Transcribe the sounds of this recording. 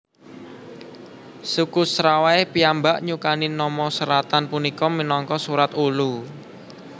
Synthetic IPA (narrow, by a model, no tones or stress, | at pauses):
sukusɾawaepiambaʔɲukaninɔmɔsəɾat̪anpunikɔminɔŋkɔsuɾat̪ulu